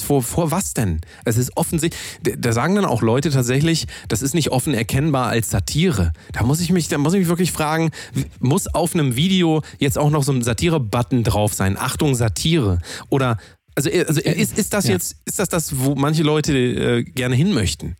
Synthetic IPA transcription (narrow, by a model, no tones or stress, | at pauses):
foːɐfoːɐvasd̥ɛn | ʔɛs̬ɪstʔɔfn̩zɪçddaːzaːɡŋ̩dana̰ʊxlɔʏtətʰaːtz̥ɛçlɪçd̥asɪstnɪçtʔɔfn̩ɛɐkʰɛnbaːɐʔa̰lsz̥atʰiːʁəd̥aːmʊs̬ɪçmɪçd̥aːmʊs̬ɪçmɪçv̥ɪɐk̬lɪçfʁ̥aːɡŋ̩vmʊsaʊfnəmviːdeojɛt͡staʊxnɔχz̥oːnzatʰiːʁəbatn̩dʁaʊfz̥aɪnʔa̰χtʊŋzatʰiːʁəʔoːɾɐ | ʔalzoʔalzoʔɪstɪst̚d̥asjɛt͡stɪstd̥asd̥asvoːmanç̬əlɔʏtəʔɛ̰ːɡ̥ɛɐnəɦɪnmœçtn̩